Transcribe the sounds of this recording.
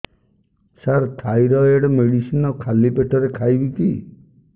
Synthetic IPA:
saɾt̪ʰajɾɔeɽɔmeɽisinɔkʰalipeʈʰɔɾekʰajbiki

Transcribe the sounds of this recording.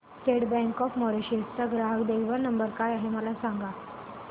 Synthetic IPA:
sʈeɽbɛ̃ŋkɔfmɔɾeɕest͡saɡɾaɦəkd̪ewʋəɾnəmbəɾkajaɦeməlasãŋɡa

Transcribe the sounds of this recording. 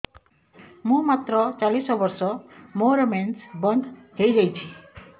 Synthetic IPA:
mũmat̪rʌt͡salisɔbʌrsʌmoɾmensbʌnd̪ʱɦejd͡zʌjt͡sʰi̥

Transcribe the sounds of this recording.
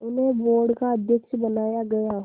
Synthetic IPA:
ʊnɦeboːɾɖkaɐd̪ʱjəkʃbɐnaːjaɡɐja

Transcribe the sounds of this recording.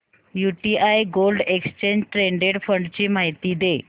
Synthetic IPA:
juʈiʔajɡolɖekst͡ɕeɲd͡ʑʈɾeɳɖeɽfəɳɖt͡ɕiːmaɦijt̪iːd̪e

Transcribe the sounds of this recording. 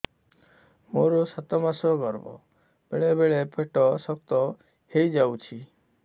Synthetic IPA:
moɾɔsat̪ɔmasɔɡɔɾbɔ̰ | b̥eɭebeɭepʰeʈɔsɔkt̪ɔ | hejd͡ʒawt͡ʃʰi

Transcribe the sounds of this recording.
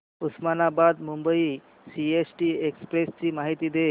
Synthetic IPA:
usmanabad̪mumbəi | siesʈiːekspɾest͡ɕiːmaɦit̪iːd̪e

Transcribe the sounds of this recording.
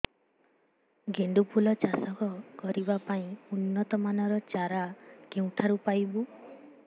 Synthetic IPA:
ɡeɳɖupʰulɔt͡ʃasɔkɔkɔɾibapaĩunːɔt̪ɔmanɔɾɔt͡ʃaɾakeũt̪ʰaɾupajbu

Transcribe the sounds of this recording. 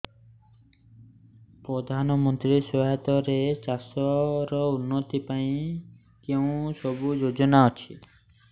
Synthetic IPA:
pɾɔd̪ʱanɔmɔnt̪ɾisɔɦet̪ɔɾet͡ʃasɔɾɔunːot̪ipaĩ | keũsɔbud͡ʒod͡ʒɔnaɔt͡ʃʰi

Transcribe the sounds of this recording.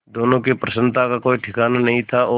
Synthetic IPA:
d̪oːnõkepɾəsə̃nt̪ʰakakoːiʈʰɪkaːnanɐɦĩt̪ʰaoː

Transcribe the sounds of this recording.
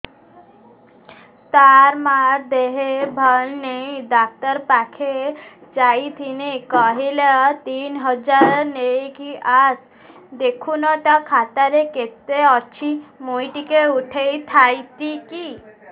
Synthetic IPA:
t̪aɾmaɾd̪eɦebʱəlnejd̪ak̚t̪əɾpakʰed͡ʒait̪ʰinekɔɦilet̪inɦəd͡ʒaɾnekiʔas | d̪ekʰunɔt̪akʰat̪aɾeket̪eɔt͡ʃʰimojʈikeuʈʰejt̪ʰajt̪iki

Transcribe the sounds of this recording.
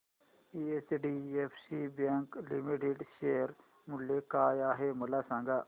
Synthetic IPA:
iːesɖiːepʰsibẽːŋklimiʈeɖʃeːəɾ | mʊljekaːjaːɦemɐlaːsãːŋɡaː

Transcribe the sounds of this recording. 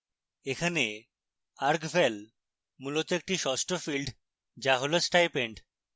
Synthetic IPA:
ekʰane | aɾkfel | mulot̪oek̚ʈiʃɔsʈofilɖ | d͡ʑaɦolosʈajpeɳɖ

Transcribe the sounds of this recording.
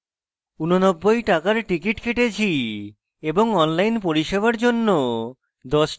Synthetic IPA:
unonɔbːojʈakaɾʈikiʈkʰeʈet͡ɕʰi | eboŋɔnlajnpoɾiʃeβaɾd͡ʑonːo | d̪ɔʃ

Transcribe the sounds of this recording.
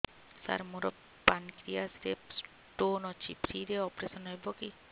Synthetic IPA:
sa̰ɾmoɾɔ | pankɾijasɾeps | ʈonɔt͡ʃʰipɾiɾeɔpɾesɔnɦɔjbɔki

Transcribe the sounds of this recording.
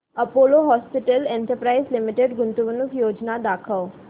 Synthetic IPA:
ɐpoːloɦɔːspɪʈəlẽːɳʈəɾpɾaːɪzlɪmɪʈeɖɡʊnt̪uʋənukjoːd͡ʒnad̪aːkʰəʋ

